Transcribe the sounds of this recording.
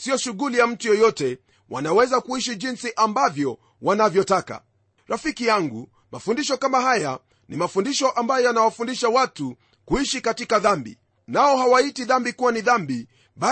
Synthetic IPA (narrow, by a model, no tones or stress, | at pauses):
siɔʃuɣulijam̩tujɔjɔtɛ | wʔa̰nawɛzakuiʃiʄinsiʔambavjɔ | wanavjɔtaka̰ | ɾafikijaŋɡu | mafundiʃɔkamahaja | nimafundiʃɔʔambajɔjanawafundiʃawatu | kuiʃikatikaðambḭ | naɔhawaitiðambikuwaniðambi | ɓa